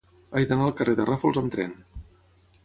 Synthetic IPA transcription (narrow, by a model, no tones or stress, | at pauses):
ajðənaəlˠkəreðərafolˠzəmt̪ɾɛ̰n